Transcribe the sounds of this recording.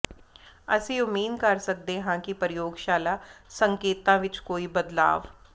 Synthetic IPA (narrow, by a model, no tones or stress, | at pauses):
ə̰sẽːʊmiːd̪kəɾsək̚d̪ẽːɦãːkɪpəɾɪjoːɡʃaːlaːsəŋkeːt̪ãːʋɪt͡ʃkoːiːbəd̪la̰ːʋ